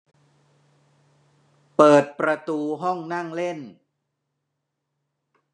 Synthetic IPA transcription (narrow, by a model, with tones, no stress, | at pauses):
pɤː˨˩t̪̚pɾa˧t̪uː˧ɦɔ˥˩ŋna˥˩ŋle˥˩n